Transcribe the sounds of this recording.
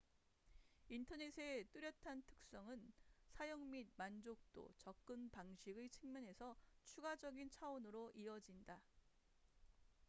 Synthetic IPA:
intʰʌne̞sʰe̞t͈ɯɾjʌtʰantʰɯ̥k̚s͈ʌŋɯnsʰajoŋmid̚mand͡ʑok̚t͈o̰t͡ɕʌk̚k͈ɯnpaŋɕʰiɡɯɭt͡ɕʰɯŋmjʌnɦe̞sʰʌt͡ɕʰuɡad͡ʑʌɡint͡ɕʰaonɯɾoʔiʌd͡ʑinda

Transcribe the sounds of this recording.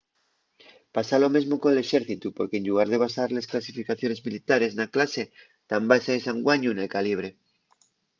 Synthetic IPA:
pasalo̞me̞zmokonele̞ʃeɾθit̪upo̞ɾkeenʎuɣ̞aɾðe̞β̞asaɾlesklasifikaθjone̞zmilit̪aɾe̞znaklase̞ | t̪ambasaesaŋɡwaɲune̞lkaliβ̞ɾe̞

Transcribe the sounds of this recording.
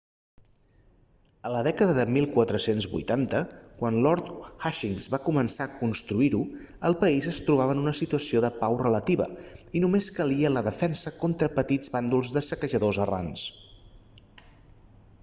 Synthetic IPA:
ələðɛkəðəðəmilˠkwat̪ɾəsenzβṵjt̪ant̪əkwanlɔɾt̪haʃiŋzβakumənsaəkunst̪ɾuiɾu | əlˠpəizəst̪ɾuβ̞aβənunəsit̪uəsioðəpawrələt̪iβə̰inumeskəliələðəfɛnsəkont̪ɾəpət̪id͡zβand̪ulˠzðəsəkəʒəðozəra̰ns

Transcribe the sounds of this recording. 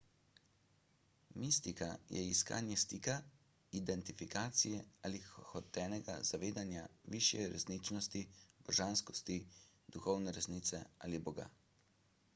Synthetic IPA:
mist̪ikajɛ̰iska̰ːnjɛst̪iːka | id̪ɛnt̪ifikaːt̪sijɛalixxɔt̪ɛːnɛɡa̰zaʋeːd̪anjaʋiʃjɛɾɛsniːt͡ʃnɔst̪ibɔʒanskɔ̥st̪i | d̪̥uxɔwnɛɾɛsniːt̪sɛalibɔɡa̰ː

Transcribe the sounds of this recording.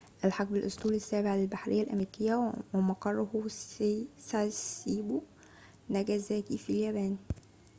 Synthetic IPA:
ʔælħɑɡ̚belʔosˤt̪ˤuːlesːæːbeʕlelbaħɾʔḛjːælʔæ̰meɾikejːæwemɑqɑrˤːɑhu | saiːbu | næɡæzæːkifiljæbæːn

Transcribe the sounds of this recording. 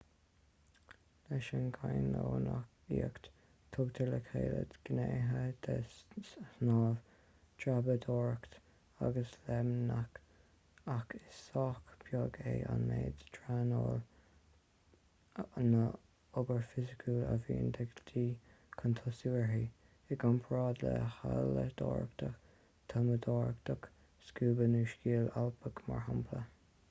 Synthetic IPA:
lɛʃənɡajnːoːnak | iəkt̪ | t̪ʰoɡt̪ʰələkʰeːlə̰d̪ɡ̥neːɦəd̪̥ɛsnɑːv | d̪̥ɹabəd̪ɔɹkt̪ | a̰ɡəslɛmnak | akʰɪsɑkb̥jɔɡeːʔa̰nmeːd̪d̥ɹanoːɹ | nə | ʊbəɹfɪzɪkʰula̰viːnd̪ɛɡdiː | kʰənt̪ʰɔsuːəɦi | ɪɡampʰɹɑːd̪lɛ̰haləd̪ɔːɹkt̪ʰək | t̪ʰəməd̪ɔːɹkt̪ək | skuːbənuːʃkiːlalpʰəkma̰ɹɦampʰlə

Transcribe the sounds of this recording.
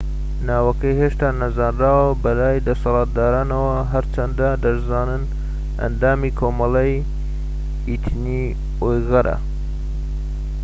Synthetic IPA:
naːwɐkɐjɦeːʃt̪aːnɐzaːndaːwɐbɐlaːjd̪ɐsɐlaːt̪̚d̪aːɾaːnɐwɐɦɐɾt͡ʃʰɐnd̪ad̪ɐɾzaːnɨn | ɐ̰nd̪aːmiːkʰoːmɐlɐj | it̪ʰni | ojɣɐɾʔɐ̰

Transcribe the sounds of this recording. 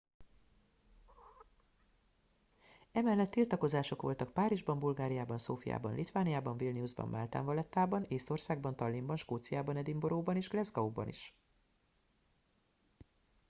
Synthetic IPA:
ɛmɛlːɛt̪ːilt̪ɒko̞zaːʃo̞kʋo̞lt̪ɒk̚paːɾiʒbɒmbulɡaːɾijaːbɒnsoːfija̰ːbɒnlit̪ʋaːnijaːbɒnvilniuzbɒ̰mːʔa̰ːlt̪a̰ːɱvɒlɛt̪ːaːbɒneːst̪o̞rsaːɡbɒnt̪ɒlːimbɒnʃkoːt̪sijaːbɒnɛd̪imbo̞ɾoːbɒneːʒɡlɛzɡɒubɒ̰nʔḭʃ

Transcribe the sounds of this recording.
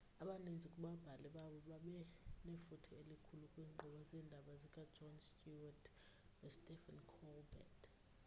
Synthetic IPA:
aɓanend͡zʱikʼuɓab̥ʱalɛɓaɓɔɓaɓɛnefutʰielikʰulukʼwiːŋŋ͡ǃɔɓɔzɛːndʱaɓazikʼḁd͡ʒ̥ʱɔnstʼuwatʰ | nustʼɛfankʰɔlbɛ̰tʰ

